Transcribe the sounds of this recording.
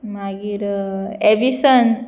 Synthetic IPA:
maɡiɾebisən

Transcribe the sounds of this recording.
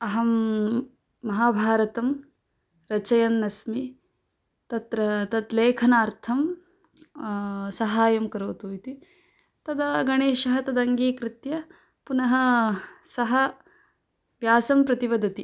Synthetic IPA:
ɐɦɐmː | ɐɦaːbʱaːɾɐt̪ɐm | ɾɐt͡ʃɐjɐmnɐsmi | t̪ɐt̪ɾɐt̪ɐd̪leːkʰɐnaːɾt̪ʰɐm | sɐɦaːjɐmkɐɾoːt̪uːjit̪i | t̪ɐd̪ɐɡɐɳeːʃɐɦɐt̪ɐd̪ɐŋɡeːkɾɪt̪jɐ | punɐɦɐ̆sɐɦɐ | ʋjaːsɐmpɾɐt̪iʋɐd̪ɐt̪i

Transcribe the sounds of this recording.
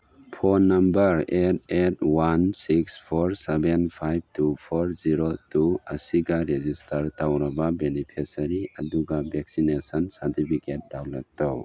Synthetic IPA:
pʰonɐmbɐɾet̚ʰetwansikspʰoɾsebenpʰajb̚tupʰoɾziɾotuɐsiɡɐɾezistɐɾtawɾɐbɐbenipʰesɐɾiɐduɡabʱek̚sinesɐnsɐɾtipʰiket̚dawlak̚tow

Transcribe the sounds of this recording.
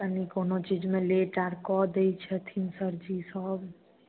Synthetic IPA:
anikoːnot͡ʃiːd͡ʒmẽleʈaːɾkɔd̪eit͡ʃʰɛt̪ʰinsəɾd͡ʒisəɦb

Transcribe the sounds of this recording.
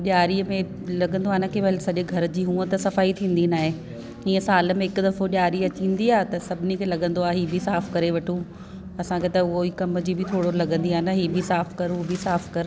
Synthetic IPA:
ɗjaːɾiəmẽ | lɐɠə̃nd̪oaːnɐkʰeʋɐɦɪlsɐʄeɡʱɐɾd͡ʑiːɦũːə̃t̪ɐsɐfaːit̪ʰĩːn̆d̪inaːɦe | ĩːə̃saːlə̆mẽɪkd̪ɐfoɗjaːɾiɐt͡ɕĩːn̆d̪iaːɦet̪ɐsɐbʱɪnikʰeːlɐɠə̃nd̪oaːɦiːbʱɪsaːfkɐɾeʋɐʈʰũ | ɐsãkʰet̪ɐʊɦoikɐməd͡ʑiːbʱɪt̪ʰoːɽolɐɠə̃nd̪iaːnɐɦiːbʱisaːfkɐɾɦubɪsaːfkɐɾ

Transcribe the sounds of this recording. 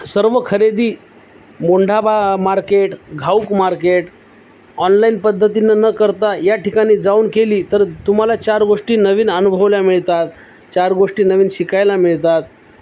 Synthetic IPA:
səɾʋəkʰəɾed̪iː | moɳɖʱabʱamaɾkeʈɡʱaukmaɾkeʈ | ɔnlainpəd̪ʱːət̪inənəkəɾt̪ajaʈikaɽ̃iːd͡zauːnkeliːt̪əɾt̪um̤alat͡ɕaɾɡoʂʈiːnəʋiːnənubʱəʋljamiɭt̪at̪̚ | t͡ɕaɾɡoʂʈiːnəʋiːnɕikajlamiɭt̪at̪̚

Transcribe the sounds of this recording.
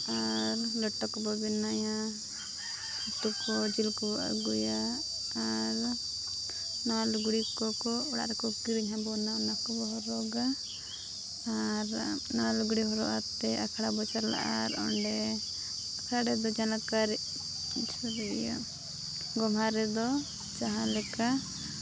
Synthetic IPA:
aɾlɔʈːɔkɔbɔbinaja | ut̪ukɔd͡ʒilkɔbɔa̰ɡujaː | ɾ | nalɡuɽikɔkɔɽa̰ʔɾɛkɔkiɾiɲɦabɔnaɔnakɔbɔɦɔɾɔɡa | aɾnalɡuɽiɦɔɾɔ̰ʔat̪ɛakʰaɽabɔt͡ʃaɾla̰ʔa̰ɾɔ̰ɳɖɛ | saɽɛd̪ɔd͡ʒanakaɾi | t͡ʃʰuɾɛja̰ | ɡɔmaɾɛd̪ɔ | t͡ʃaɦalɛka

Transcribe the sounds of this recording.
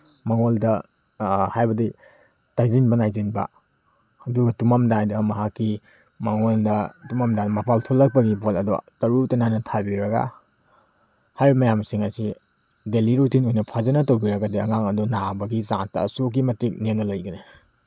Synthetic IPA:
maŋoldɐ | hajbɐdi | tajzinbɐnajzinbɐ̰ | ɐduɡɐtumamdajdɐmɐɦakːi | maŋoldɐtumamdadmapʰaltʰolːɐk̚pɐɡibolɐdɔtɐɾutananɐtʰabiɾɐɡa̰ | hajɾmɐjamsiŋɐsi | deliɾutinojnɐpʰazɐnɐtowbiɾɐɡadiɐ̰ŋaŋɐdunabɐɡisaŋnsta̰suk̬ːimɐtik̚nenɐlɐjɡɐni

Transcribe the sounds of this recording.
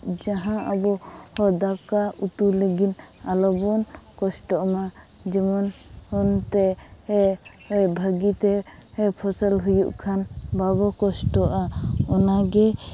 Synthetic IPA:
d͡ʒaɦãabɔ | hɔd̪akaut̪uləɡin | alɔbɔnkɔsʈɔʔma | d͡ʒɛmɔn | hɔnt̪ɛ | ɛbʱəɡit̪ɛ | ɛpʰɔsəlɦujuʔkʰanbabɔkɔsʈɔʔaɔnaɡɛ

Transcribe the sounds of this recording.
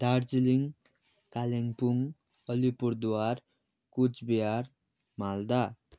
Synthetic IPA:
d̪art͡siliŋ | kaleŋpuŋ | ʌlipuɾd̪uwar | kut͡sbijar | mald̪a

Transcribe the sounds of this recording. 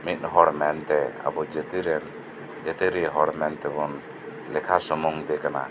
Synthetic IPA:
mit̪̚ˀɦɔɾmɛnt̪ɛa̰bɔd͡ʒɛt̪iɾɛn | d͡ʒɛt̪iɾiɦɔɾmɛnt̪ɛbɔn | lɛkʰasɔmuŋd̪ɛkana̰

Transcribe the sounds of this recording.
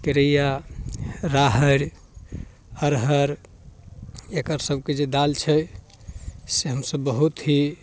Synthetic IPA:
keɾəja | ɾaɦəɾ | əɾɦəɾ | ekəɾsəb̚ʱked͡ʒed̪alt͡ʃʰɛ | seɦəmsəbːəɦut̪ɦi

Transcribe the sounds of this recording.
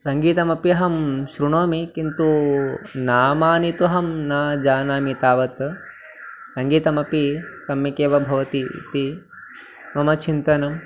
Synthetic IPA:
sɐŋɡiːt̪ɐmɐpjɐɦɐmʃɾuɳoːmikint̪u | naːmaːnit̪uɦɐmnaːd͡ʒaːnaːmit̪aːʋɐt̪ | sɐŋɡiːt̪ɐmɐpisɐmjɐkeːʋɐbʱɐʋɐt̪ḭt̪i | mɐmɐt͡ʃʰint̪ɐnɐm

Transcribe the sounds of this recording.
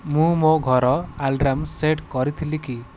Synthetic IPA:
mũmoɡʱɔɾɔalɖɾamseʈkɔɾit̪ʰiliki

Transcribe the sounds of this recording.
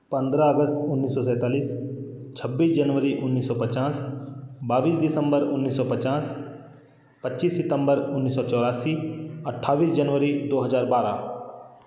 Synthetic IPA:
pə̃nd̪ɾaəɡəst̪ʊnːiːsɔsɛ̃ːt̪aːliːs | t͡ʃʰəbːiːsd͡ʒənʋəɾiʔʊnːiːsɔːpət͡ʃaːsbaːʋiːsɖɪsə̃mbəɾʊnːiːsɔːpət͡ʃaːs | pətːiːsːɪt̪ə̃mbəɾʊnːiːsɔːt͡ʃɔːɾaːsiɐʈʰːaːʋiːsd͡ʒənʋəɾid̪oːɦəzaːɾbaːɾa̰ː

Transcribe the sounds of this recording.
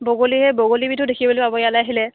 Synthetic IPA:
boɡolihɛboɡolibitʰʊdekʰibolopabɔjalajɦilɛ

